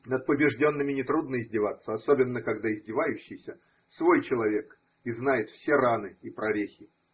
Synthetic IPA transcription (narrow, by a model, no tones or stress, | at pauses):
nət̪̚pəbʲɪʐdʲo̞nːɨmʲɪnʲɪt̪ɾud̪nəɪzʲdʲɪvat̪sːəɐso̞bʲɪnːəkɐɡd̪aɪzʲdʲɪvajʉɕːɪjsʲə | svo̞jt͡ɕɪlˠɐvʲe̞k | ɪznajɪt̪fsʲeranɨipɾɐɾʲexʲɪ